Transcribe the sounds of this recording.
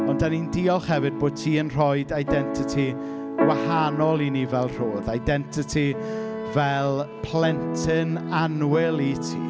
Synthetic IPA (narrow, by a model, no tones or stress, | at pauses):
ɔndanindiːɔlˠχhɛvɨd̚boːd̥̚tʰiːənr̥ɔjdajdɛntʰɪtʰi | ɡ̥wahanɔlˠinivɛlˠr̥oːðajdɛntʰɪtʰi | vɛlˠpʰlɛntʰɪnanwɪlˠitʰḭː